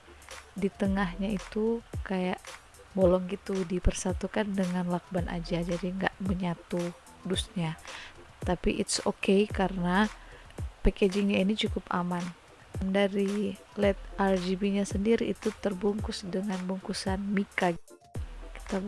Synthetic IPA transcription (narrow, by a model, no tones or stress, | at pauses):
dit̪əŋahɲait̪ukajaʔ | bolɔŋɡit̪udipərsat̪ukandəŋanlak̚banʔa̰d͡ʒad͡ʒadiŋɡa̰ʔməɲat̪u | dust̪̚ɲa | t̪apḭʔɪt̪sokejkaɾəna | peked͡ʒɪŋɲainit͡ʃukʊpa̰man | mdaɾi | lɛt̪̚ʔard͡ʒibiɲasəndiɾiːt̪ut̪ərbuŋkʊsdəŋanbuŋkusanmikaɡ | ki̥t̪a